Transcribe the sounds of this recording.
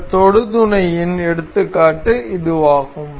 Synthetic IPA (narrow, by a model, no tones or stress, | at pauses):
t̪ɔɽɯðɯnɐjɪnɛɽɯt̪ːɯkːaːʈːɯɪðɯʋaːɣɯm